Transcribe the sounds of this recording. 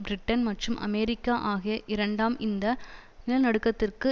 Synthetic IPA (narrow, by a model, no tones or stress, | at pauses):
bɾɪʈːɐnmɐʈrɯmʔɐ̰meːɾɪkːaːʔaːɣɐjɐʔɪɾɐɳɖaːmʔɪnd̪ɐ | nɪlɐnɐɽɯkːɐt̪ːɪrkɯ